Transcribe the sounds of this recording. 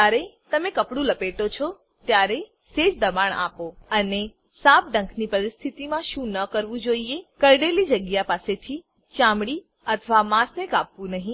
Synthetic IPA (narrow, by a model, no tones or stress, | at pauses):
d͡ʒaɾet̪əmekəpɽũləpeʈ̪ot͡ʃʰɔ | t̪jaɾe | set͡ʃd̪əbaɳa̰poəne | sap̚ɖə̃ŋkʰnipəɾɪst̪ʰit̪imãʃũnəkəɾʋũd͡ʒoiekəɾɖelid͡ʒəɡjapaset̪ʰi | t͡ʃãmɽi | ət̪ʰʋamãsnekapʋũnəɦĩ